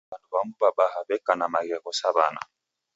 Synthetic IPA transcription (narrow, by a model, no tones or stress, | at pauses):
anɔβamubaɓahaβɛkːanamaɡɛkɔsaβa̰na̰